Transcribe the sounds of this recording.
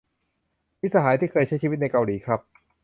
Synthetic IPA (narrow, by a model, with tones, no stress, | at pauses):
mi˦˥saː˧ɦaː˩˦jt̪ʰiː˥˩kʰɤː˧jt͡ɕʰa˥jt͡ɕʰiː˧˩i˦˥t̪̚na˧jka˧wliː˩˦kʰɾa˦˥p̚